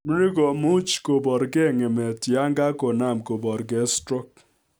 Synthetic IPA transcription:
mi˦ɾi˦ɡɔ˨mu˦t͡ʃko˨bɔ˨ɾɡɛ˦˨ŋɛ˨mɛ˨ti˨a˦ŋɡa˦kɔ˨na˦˨mko˨bɔ˨ɾɡɛ˨˦stɾɔ˦k

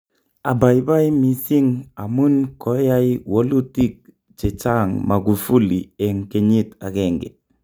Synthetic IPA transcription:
a˨ba˨jba˦jmi˨si˦ŋa˨mu˦nko˨˦ja˦jwo˦lu˦ti˦k̚ | t͡ʃe˨t͡ʃa˦˨ŋma˨ɡu˨fu˦li˨e˨ŋke˨ɲi˦˨ta˨ke˦˨ŋɡḛ˨

